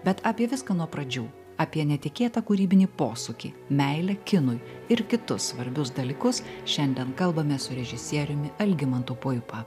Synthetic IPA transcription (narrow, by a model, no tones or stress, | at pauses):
bʲɛt̪ɑːpʲiɛʋʲɪskɐnuɔpɾɐd͡ʒʲuː | ɑːpʲiɛnʲɛt̪ʲɪkʲeːt̪ɐkuːɾʲiːbʲɪnʲiːpoːsʊkʲḭː | mʲɛɪlʲɛkʲɪnʊjɪɾkʲɪt̪ʊssʋɐɾʲbʲʊsd̪ɐlʲiːkʊsʃʲɛnʲd̪ʲɛnkɐlˠbɐmʲɛsʊɾʲɛʒʲɪsʲiɛɾʲʊmʲɪɐlʲɡʲɪmɐnt̪uːpʊɪpɐ